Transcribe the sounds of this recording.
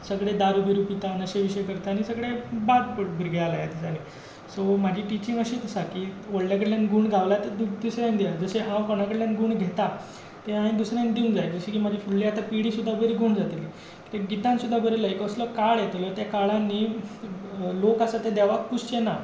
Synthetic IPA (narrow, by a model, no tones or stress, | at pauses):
səɡɽed̪aɾubiɾupit̪anəɕeʋiɕəjkəɾt̪aːñisəɡɽebaʈ̚bʱiɾɡealajat̪isani | somad͡ʑʱiːʈit͡ɕĩŋɡəɕiːt̪əsakiːʋəɽljakəɽljanɡuːɳɡʱaʋlat̪əd̪d̪usɾjãnd̪ead͡zəseɦãwkoɽ̃akəɽljanɡuːɳɡʱet̪a | t̪eãĩd̪usɾjãnd̪iund͡zajd͡zəɕekiːmad͡ʑʱifuɭliat̪apiɽiːsud̪ʱːabəɾiɡʱuːɳd͡zat̪eliː | t̪eɡit̪ãnsud̪ʱːabəɾeləjekəsləkaɭjet̪lət̪jakaɭanːiː | lokasat̪ẽd̪jaʋak̚pust͡ɕena